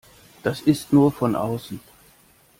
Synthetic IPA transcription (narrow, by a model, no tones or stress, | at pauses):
d̥asɪstnuːɐfɔnʔa̰ʊsn̩